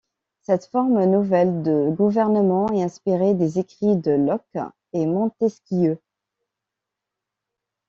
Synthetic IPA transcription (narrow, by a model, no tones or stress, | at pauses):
sɛt̪fɔʁmənuvɛld̪əɡuvɛʁnəmɑ̃ɛɛ̃spiʁed̪ezekχid̪əlɔk | ɛmɑ̃t̪ɛskʲiø